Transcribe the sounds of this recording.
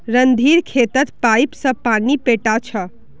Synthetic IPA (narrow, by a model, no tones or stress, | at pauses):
ɾənd̪ʱiɾkʰet̪ət̪pajpsə̃panipeʈat͡ʃʰə